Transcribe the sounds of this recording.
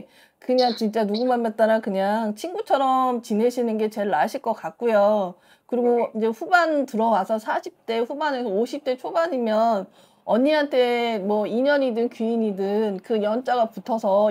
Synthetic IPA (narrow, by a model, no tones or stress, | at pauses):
kɯɲaŋt͡ɕint͡ɕ͈anuɡumanmat̚t͈aɾakɯɲaŋt͡ɕʰinɡut͡ɕʰʌɾʌmt͡ɕineɕʰinɯnɡe̞t͡ɕe̞aɕʰiɭk͈ʌk͈ak̚k͈ujo | kɯɾiɡoid͡ʑe̞ɸubantɯɾʌwasʰʌsʰaɕʰip̚t͈e̞ɸubanesʰʌoɕʰip̚t͈e̞t͡ɕʰobaɲimjʌn | ʌɲiɦantʰe̞mwʌiɲʌɲidɯnkiiɲidɯnkɯjʌnt͡ɕ͈aɡaputʰʌsʰʌ